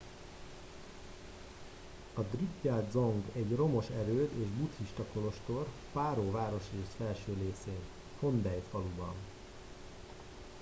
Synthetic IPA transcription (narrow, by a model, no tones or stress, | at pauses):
ɒd̪ritjɛld̪zo̞ŋɡɛɟro̞mo̞ʃɛɾøːt̪eːʒbut̪hiʃt̪ɒko̞lo̞ʃt̪o̞r | paːɾoːvaːɾo̞ʃeːʃfɛlʃøːɾeːseːn | fo̞nd̪ɛjt̪fɒlubɒ̰n